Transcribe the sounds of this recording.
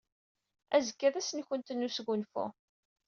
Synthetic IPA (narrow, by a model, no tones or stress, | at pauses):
æzəkːæðæsənçənt̪ənːusɡʊnfṵ